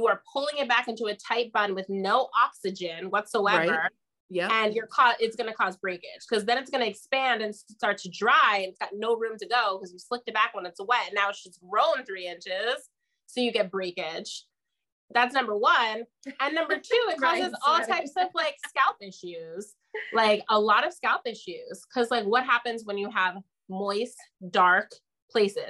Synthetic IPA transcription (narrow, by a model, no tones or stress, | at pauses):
jəə˞pʰʊlˠɪ̃ŋɨt̚b̥ækɪ̃ntuɨtʰaɪp̚b̥ʌ̃nwɨðnoʊʔɑksɨd͡ʒɨ̃nwʌtsoʊɛə˞ | jæɨ̃njə˞kʰɔɪtsɡ̥ʌnɨkʰɔzbɹeɪkɪd̥ʒ̥kʰʌzðɨ̃ñɨtsɡ̥ʌnɨɨkspæ̃ndɨ̃nsstɑɹtʰɨdɹaɪɨ̃nɨtsɡ̥ɑtⁿnoʊɹʉ̃mtɨɡoʊkʰʌzjɨslɪk̚tɨt̚b̥ækwə̃nɨtswɛt̚ɨ̃nːaʊɨtsʌsɹõʊ̃nθɹiɪ̃nt͡ʃɪz̥ | soʊjɨɡɛt̚b̥ɹeɪkɪd̥ʒ̥ | ðætsnʌ̃mbə˞wʌ̃n | ɨ̃nːʌ̃mbə˞tʰʉɪt̚kʰɔzɨzɔlˠtʰaɪpsʌvlaɪkskaʊpɪʃʉz̥ | laɪkəlɔɾʌv̥skaʊpɪʃʉz̥kʰʌzlaɪkwʌt̚ɦæpɨ̃nzwə̃njɨəv | mɔɪs | d̥ɑɹk | pʰl̥eɪsɪ̰